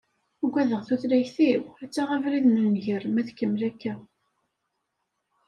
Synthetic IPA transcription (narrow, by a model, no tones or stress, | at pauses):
ɡʷːæðəʁθuθlæçθiwæt͡sːaʁævɾiðnənʝəɾmæðkːəmlækːæ